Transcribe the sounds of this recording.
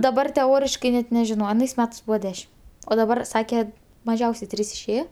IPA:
dɐˈbɐr tʲɛˈoːrʲɪʃkɐɪ ˈnʲɛt nʲɛˈʒʲɪnoː ɐˈnɐɪs ˈmʲæːtɐɪs ˈbuːʋɐ ˈdʲæːʃʲɪm oː dɐˈbɐr ˈsɑːkʲɛ mɐˈʒʲɛʊsʲɛɪ ˈtʲrʲiːs ɪʃʲˈeːjoː

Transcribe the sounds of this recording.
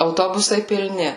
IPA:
ɐʊˈtoːbʊsɐɪ pʲɪlʲˈnʲɪ

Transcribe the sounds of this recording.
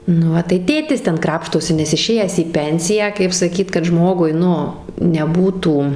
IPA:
nʊ ˈʋɐ tɐɪ ˈtʲeːtʲɪs ˈtʲɛn ˈkrɑːpʃtoːsʲɪ nʲɛs ɪˈʃʲeːjæːs iː ˈpʲɛnʲsʲɪjæː kɐɪp sɐˈkʲiːt kɐt ˈʒmoːɡʊɪ ˈnʊ nʲɛˈbuːtuː

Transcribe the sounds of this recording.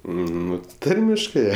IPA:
ˈnʊ ˈtɐrʲmʲɪʃkɜ

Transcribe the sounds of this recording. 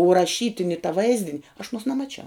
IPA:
ʊ rɐˈʃʲiːtʲɪnʲɪ tɐ ˈʋɐɪzʲdʲɪnʲ ɐʃ ɐˈnuɔs nʲɛmɐˈt͡ʃʲɛʊ

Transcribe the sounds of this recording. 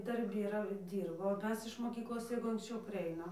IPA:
dɐrʲˈbʲɪ iːˈrɐ ˈdʲiːrboː oː ˈmʲɛs ɪʃ moːˈkʲiːklˠoːs ˈjɛɪɡʊ ɐŋksʲˈt͡ʃʲɛʊ pɐrʲˈɛɪnɐm

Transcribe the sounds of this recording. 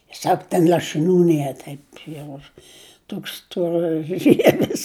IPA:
ˈsɐk tʲɛn lˠɐʃɨˈnʲuː ˈnʲiɛ ˈtɐɪp jɛʊ ˈtoːks stoːrɐˈʒʲiɛʋʲɪs

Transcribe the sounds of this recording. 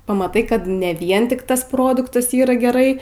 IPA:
pɐmɐˈtɐɪ ˈkɐt nʲɛ ˈʋʲiɛn ˈtʲɪk ˈtɐs ˈproːdʊktɐs ˈiːrɐ ɡʲɛˈrɐɪ

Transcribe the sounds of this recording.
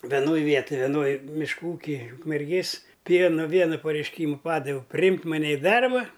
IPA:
ʋʲɛˈnoːj ˈʋʲiɛtoːj ʋʲɛˈnoːj mʲɪʃˈkuː ˈuːkʲɪj ʊkmʲɛrʲˈɡʲeːs ˈpʲiɛnoː ˈʋʲiɛnɐ pɐrʲɛɪʃʲˈkʲiːmʊ ˈpɑːdɐʋʲɛʊ pʲrʲɪˈjɪmk mɐˈnʲɛ ɪ ˈdɐrbɐ

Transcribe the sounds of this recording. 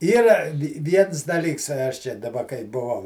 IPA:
ˈiːrɐ ˈʋʲiɛns dɐˈlʲiːks ˈɐʃ ˈt͡ʃʲɛ dɐˈbɐ kɐɪ bʊˈʋɐʊ

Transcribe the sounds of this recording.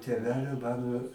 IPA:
tʲeːˈʋʲæːlʲoː ˈmɑːnoː

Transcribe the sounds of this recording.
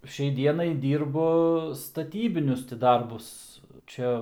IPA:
ˈʃʲɛɪ ˈdʲiɛnɐɪ ˈdʲiːrbʊ stɐˈtʲiːbʲɪnʲʊs tʲɪ ˈdɐrbʊs ˈt͡ʃʲɛ

